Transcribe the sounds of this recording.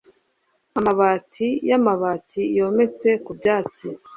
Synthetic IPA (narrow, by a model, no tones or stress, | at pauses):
amaβaːtʰijamaβaːtʰijo̞ːme̞t͡se̞kubɟaːt͡si